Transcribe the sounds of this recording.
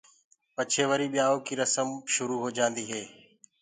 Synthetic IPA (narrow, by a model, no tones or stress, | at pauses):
pət͡ʃʰeːʋəɾiːɓɪjaːoːkʰiːɾəsəmʃʊɾuːɦoːd͡ʒãːnd̪iːɦeː